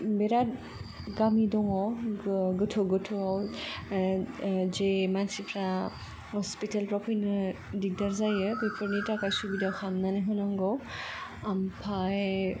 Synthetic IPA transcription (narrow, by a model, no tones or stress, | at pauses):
bɛɾat̚ | ɡamidɔŋɔ | ɡɯtʰɔɡɯtʰɔaw | zemansipʰɾa | hɔspitalpɾɔpʰɔjnɯdik̚daɾzajɯbɔjpʰɔɾnitɾakajsubidawxʰamnanɯɦɔnaŋɡɔ | ampʰaj